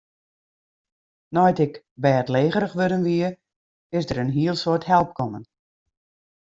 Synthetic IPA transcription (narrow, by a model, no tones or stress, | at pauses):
nɔjtɪk | bɛːətleːɣəɾəxʋødənʋiə | ɪsdəɾənɦiəlˠsothɛlˠp̚kʰɔmən